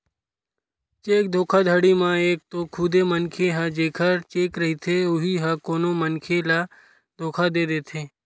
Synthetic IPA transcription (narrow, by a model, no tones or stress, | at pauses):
t͡ʃeːk̚d̪ʱoːkʰad̪ʱəɽimãeːk̚t̪okʰʊd̪emənkʰeɦəd͡ʒeːkʰəɾt͡ʃeːkɾɐɦit̪ʰeʊɦiɦɐkoːnomənkʰela | d̪ʱoːkʰad̪eːd̪eːt̪ʰeː